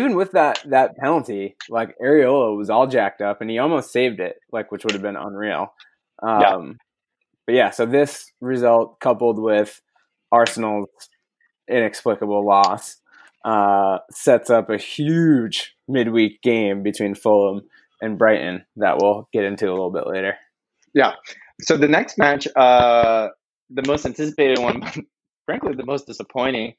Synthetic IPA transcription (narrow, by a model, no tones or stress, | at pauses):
ivɨ̃nwɨðət̪̚ðɨt̚pʰælˠə̃ntilaɪkɛɹioʊlˠəwʌzɔlˠd͡ʒæk̚tʌpɨ̃niɔlˠmoʊstseɪvdɪt̚laɪkwɨt͡ʃwʊɾɨvbɨ̃nə̰̃nɹil̩ˠ | ʔʌ̃m | b̥ʌt̚jæsoʊðɪs | ɹɨzʌlˠt̚kʰʌpl̩ˠd̚wɪð̥ | ʔɑɹsn̩l̩ˠz̥ | ɪ̃nɨksplɪkəbl̩ˠlɔs | ʔʌːɛtsʌpɨhjʉd͡ʒ | mɪd̚wik̚ɡ̥ẽɪ̃mbɨtʰw̥ĩnfoʊlˠə̃m | ɨ̃nbɹaɪʔn̩ðə̰ʔwɪlˠɡ̥ɛɾɪ̃ntʉəlɪɾl̩ˠbɪ̰ʔlḛɪɾə˞ | jæ | soʊðɨnɛkst̚mæt͡ʃʌ | ðɨmoʊstæ̃ntʰɪsəpeɪɾɨd̚wʌ̃nbʌt̚ | fɹæ̃ŋkliðɨmoʊsd̥ɨsəpʰɔ̃ɪ̃ɾ̃ɪ̃ŋ